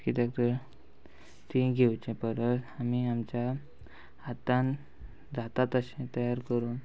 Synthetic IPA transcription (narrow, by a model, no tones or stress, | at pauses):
kit̪ɛk̚t̪əɾ | t̪iɡʱewt͡ɕepəɾət̪amiamt͡ɕja | at̪ãn | d͡zʱat̪at̪əɕẽt̪əjaɾkəɾuːn